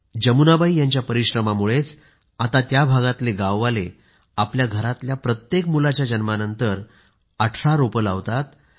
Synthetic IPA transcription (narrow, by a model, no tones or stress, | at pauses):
d͡ʑəmunabaijaɲt͡ɕjapəɾiɕɾəmamuɭet͡s | at̪at̪jabʱaɡat̪leɡaʋːale | apljaɡʱəɾat̪ljapɾət̪jekmulat͡ɕjad͡ʑənmanənt̪əɾ | aʈʰɾaɾopəla̰ʋt̪at̪